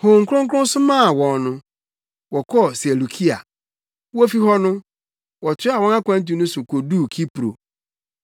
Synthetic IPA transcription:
ho˨ŋ̩˨kʰɾʊ̃˦ŋ̩˦k̬ʰɾʊ̃˦n˦sʊ˦mã˦˨wɔ̃˨nnʊ̃˦ | wɔ˨kʰɔ˦˨se˨lu˨kʰi˦a̰˨ | wɔ˦fi˦ɦɔ˦nʊ̃˦ | wɔ˨tʰɪ˦a˨wɔ̃˦nã˦kʷʰã˦n̩˦t̬i˨˦nʊ̃˦sʊ˨kʰo˨duː˦˨kʰi˦pɾo̰˨

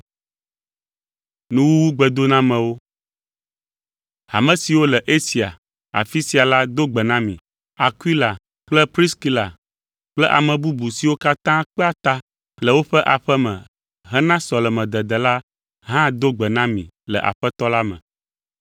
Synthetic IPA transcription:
nũ˦wu˦wu˦ɡ͡bɛ˨d̪o˦nã˦mɛ̃˨wo˦ | a˨mɛ̃˨si˨wo˦lɛ˨ʔe˦si˨a˨ | a̰˨fi˦si˨a˨la˦d̪o˦ɡ͡bɛ˨nã˦mḭ̃˨ | a˨kwi˦la˨ | k͡plɛ˦pɾi˦ski˦la̰˨ | k͡plɛ˦ʔa˨mɛ̃˨bu˦bu˨si˨wo˦ka˦t̪ã˦k͡pɛ˦a˦t̪a˦ | lɛ˨wo˦ɸɛ˦ʔa˨ɸɛ˦mɛ̰̃˨ | ɦɛ˦nã˦sɔ˨lɛ˨mɛ̃˨d̪ɛ˨d̪ɛ˨la˦ | ɦã˦d̪o˦ɡ͡bɛ˨nã˦mḭ̃˨ | lɛ̰˨ʔa̰˨ɸɛ˦t̪ɔ˦la˦mɛ̰̃˨

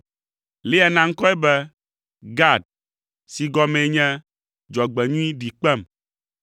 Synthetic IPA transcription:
le˦a˨nã˦ŋ̩˦kɔ˦ɛ˦bɛ˦ | ɡa˦˨d̚ | si˨ɡɔ˦mẽ˨˦ɲɛ̃˦ | d͡ʒɔ˨ɡ͡bɛ˨ɲũ˦i˦ɖi˨k͡pɛ˦˨m

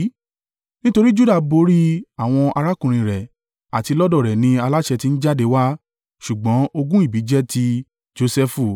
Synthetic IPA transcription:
nĩ˦to˧ɾi˦d͡ʒu˦da˦˨bo˧˦ɾi˦a˦˨w̃ɔ̃˧ʔa̰˧ɾa˦kũ˨ɾ̃ĩ˧ɾɛ˨ | a˨ti˧lɔ˦dɔ˦˨ɾɛ˨nĩ˧a˧la˦ʃɛ˧ti˧n̩˦d͡ʒa˦de˧˦wa˦ | ʃu˨ɡ͡bɔ̃˨˦o˧ɡũ˦i˦˨bi˨˦d͡ʒɛ˦tʰi˧ | d͡ʒo˧sɛ˧fu˦˨

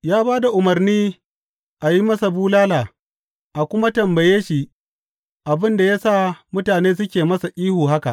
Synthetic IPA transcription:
jaː˦baː˦da˨ʔʊ˨mɐ˨rniː˦ | ʔa˨ji˦mɐ˦sa˨buː˦laː˦laː˨ | ʔa˨kʷʊ˦ma˦tɐ˨mbɐ˨jeː˦ʃi˨ʔ | ʔa˨bɪ˦nda˨jaː˦saː˦mʊ˦taː˨neː˦s̬ʊ˦kʲeː˨mɐ˦sa˨ʔʲʼiː˦huː˨ɦa˦ka˨ʔ

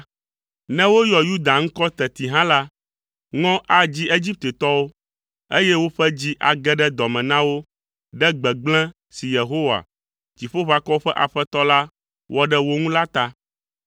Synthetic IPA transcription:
nɛ̃˦wo˦jɔ˨ju˦d̪a˨ŋ̩˦kɔ˦t̪ɛ˨t̪i˨ɦã˦la˦ | ŋɔ̃˦ʔa˨d͡ʑi˦ʔe˦d͡ʑi˦p̚t̪e˨t̪ɔ˦wo˦ | e˦jɛ˦wo˦ɸɛ˦d͡ʑi˦ʔa˨ɡɛ˦ɖɛ˦d̪ɔ˨mɛ̃˨nã˦wo˦ | ɖɛ˦ɡ͡bɛ˨ɡ͡blɛ̃˦ | si˨je˨ɦo˦wa̰˨ | d͡ʑi˨ɸo˦ɸa˨kɔ˦ɸɛ˦ʔa˨ɸɛ˦t̪ɔ˦la˦ | wʔɔ˦ɖɛ˦wo˦ŋũ˦la˦t̪a˦

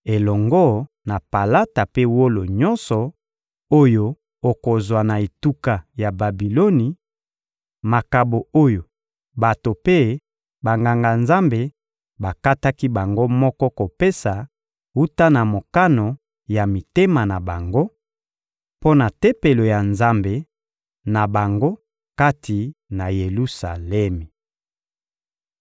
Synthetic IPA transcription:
e˨lɔ˨ŋɡɔ˦ | na˨pa˨la˦ta˨pe˦wo˦lo˨ɲɔ˦nsɔ˨ | o˦jo˦ | o˨ko˨zwa˨na˨e˨tu˦ka˨ja˨ba˨bi˨lo˦ni˨ | ma˨ka˨bo˨o˦jo˨ | ba˨to˨pe˦ | ba˨ŋɡa˨ŋɡa˨nza˦mbe˨ | ba˨ka˦ta˦ki˦ba˨ŋɡo˦mɔ˦kɔ˦ko˨pe˦sa˨ | u˦ta˦na˨mo˨ka˦no˨ | ja˨mi˨te˦ma˨na˨ba˨ŋɡo˦ | po˦na˨te˦pe˨lo˨ja˨nza˦mbe˨ | na˨ba˨ŋɡo˦ | ka˦tʰi˨na˨je˨lu˦sa˨lɛ˦mi˨

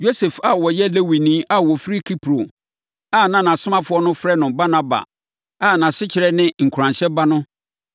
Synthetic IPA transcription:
jo˦se˨fa˨wɔ˨jɛ˦le˦wi˨nĩ˦ʔa˦wɔ˨fɾi˦kʰi˦pʰɾo˨ | a˦˨nã˨nã˨sʊ˦mã˦fʊ˦ɔ˦nʊ̃˦fɾɛ˦nʊ̃˨ba˦nã˦ba̰˨ | a˦˨nã˨sɪ˦t͡ɕʰɪ˨ɾɛ˦nɪ̃˦ŋ̩˨kʰɾã˨nɕɛ˦ba˦nʊ̃˦

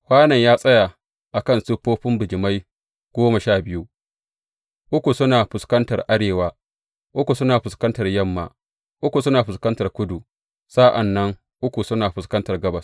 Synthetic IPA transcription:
hʷaː˦nɐ˨ɲjaː˦sʼɐ˦ja˨ | ʔa˨kɐ˦nsʊ˦ɸːoː˦ɸɪ˦mbɪ˨d͡ʒɪ˨ma˦j | ɡ̥ʷoː˦ma˨ʃaː˦˨bɪ˦ju˦ | ʔʊ˦kʷu˨sʊ˦naː˨ɸʊ˨skɐ˦ntɐ˨rʔa˦ɽeː˨waː˦ | ʔʊ˦kʷu˨sʊ˦naː˨ɸʊ˨skɐ˦ntɐ˨rjɐ˦˨mːa̰ː˨ | ʔʊ˦kʷu˨sʊ˦naː˨ɸʊ˨skɐ˦ntɐ˨rkʷʊ˦du˨ | sa˦ʔa˨nːɐ˦ŋ | ʔʊ˦kʷu˨sʊ˦naː˨ɸʊ˨skɐ˦ntɐ˨rɡɐ˦bɐ˨s

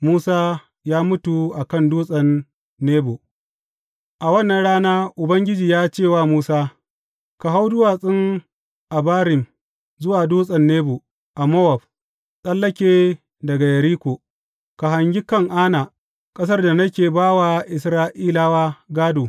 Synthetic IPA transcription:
muː˦saː˦ | jaː˦mʊ˦tu˨ʔa˨kɐ˦˨nduː˦sʼɐ˨nː | eː˦boː˨ | ʔa˨wɐ˦nːɐ˨nɽaː˦naː˦ʔʊ˨bɐ˦ŋɡʲɪ˦d͡ʒiː˨jaː˦t͡ʃeː˦˨waː˦˨muː˦saː˦ | ka˨ɦa˦wdʊ˦waː˨sʼɪ˦ŋ | ʔa˨baː˦ɾɪ˨m | zʊ˦waː˨duː˦sʼɐ˨nːeː˦boː˨ | ʔa˨mɔ˦wɐ˨b̚ | sʼɐ˦lːɐ˦kʲeː˨ | dɐ˨ɡa˨jɐ˨ɾiː˦kʷoː˨ | ka˨ɦa˨ŋɡʲɪ˦kɐ˦˨ŋʔaː˦naː˨ | kʼɐ˦s̬ɐ˦rda˨nɐ˦kʲeː˨baː˦wa˨ʔɪ˨sɾaː˦ʔiː˦laː˦waː˦ɡaː˦doː˨

